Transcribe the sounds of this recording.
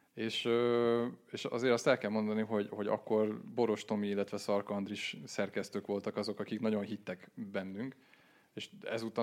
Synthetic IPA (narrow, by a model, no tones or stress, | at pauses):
eːʃøːeːʃɒ̰zeːɾɒst̪ɛlkɛlmo̞nd̪ɒniɦo̞ɟho̞ɟɒ̰kːo̞rbo̞ɾo̞ʃt̪o̞miilːɛt̪ʋɛsɒrkɒnd̪riʃsɛrkɛst̪øːkʋo̞lt̪ɒkɒzo̞kɒkiknɒɟo̞nɦit̪ːɛkbɛnːyŋk | eːʃɛ̰zut̪ɒ